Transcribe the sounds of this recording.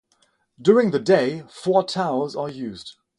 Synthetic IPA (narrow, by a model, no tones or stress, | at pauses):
d̥jʊɹɪ̃ŋðədeɪfɔɹtʰaʊzəjʉːzd̥